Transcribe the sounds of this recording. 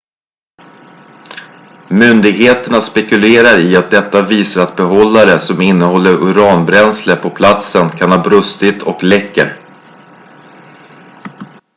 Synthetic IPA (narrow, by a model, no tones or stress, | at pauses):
mʏnd̪ɪɡheːt̪əɳaspɛkɵleːɾaɾɪat̪̚d̪ɛt̪ːaviːsaɾat̪̚bɛɦɔlːaɾəsɔmɪnːəhɔlːəɾʔʊɾɑːnbɾɛnsləɾpʰɔpʰlat̪sənkʰanhɑːbɾɵst̪ɪt̪ʰɔklɛkːə̰ɾ